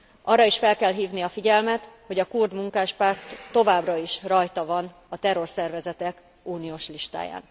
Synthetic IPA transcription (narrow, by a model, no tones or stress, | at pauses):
ʔɒrːɒiʃfɛlkɛlɦiːvniɒfiɟɛlmɛt̪ho̞ɟɒkurd̪muŋkaːʃpaːrt̪ːo̞vaːbrɒiʃrɒjt̪ɒvɒn | ɒt̪ɛro̞rsɛrvɛzɛt̪ɛk | uːnijoːʃliʃt̪a̰ːja̰ːn